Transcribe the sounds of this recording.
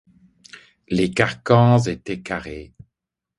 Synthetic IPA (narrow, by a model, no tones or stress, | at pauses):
lekaʁkɑ̃zet̪ɛkaʁe